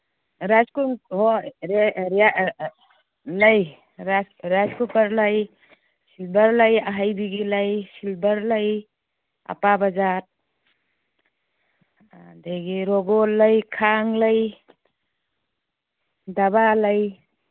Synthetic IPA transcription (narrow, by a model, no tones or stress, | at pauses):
ɾaskuŋɦɔɾɾa | laj | ɾaɾaskupaɾlaj | silbəɾlajaɦajbiɡilajsilbəɾlaj | a̰pabazat̚ | dajɡiɾɔɡɔlːajkʰaŋlaj | dabalaj